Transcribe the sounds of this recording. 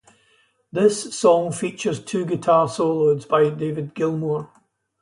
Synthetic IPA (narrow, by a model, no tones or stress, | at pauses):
ðɪsɔ̃ŋfit͡ʃə˞z̥tʰʉːɡɪtʰaɹsolˠodzbaɪdevɪd̚ɡɪlˠmɔɹ